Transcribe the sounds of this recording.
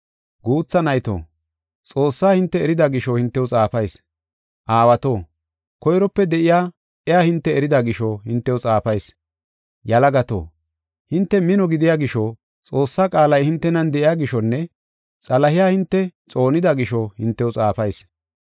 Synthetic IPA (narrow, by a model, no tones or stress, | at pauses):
ɡuːt͡sːɐnɐjt̪o̰ː | t͡sʼo̞ːsːaːhɪnt̪ːɛːɾɪd̪aɡɪʃɔhɪnt̪ːɛwʊt͡sʼaːfɐjs | ʔaːwɐt̪o̞ː | kɔjɾɔpːɛd̪ɛʔɪjaː | ʔɛjaːhɪnt̪ːɛːɾɪd̪aɡɪʃɔhɪnt̪ːɛwɔt͡sʼaːfɐjs | jɐlɐɡɐt̪o̰ː | hɪnt̪ːɛmɪnɔɡɪd̪ɪjaːɡɪʃɔ | t͡sʼo̞ːsːaːkʼaːlɐjhɪnt̪ːɛnɐnd̪ɛʔɪjaːɡɪʃɔnːɛ | t͡sʼɐlɐhɪjaːhɪnt̪ːɛt͡sʼo̞ːnɪd̪ɐɡɪʃɔhɪnt̪ːɛwʊt͡sʼaːfɐjs